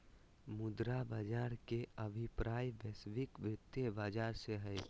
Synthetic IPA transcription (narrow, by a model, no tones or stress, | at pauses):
mʊd̪ɾabad͡ʒaːɾkeəbʱipɾaːjbɛsʋɪkʋɪt̪ːjebaːd͡ʒaːɾseɦɛ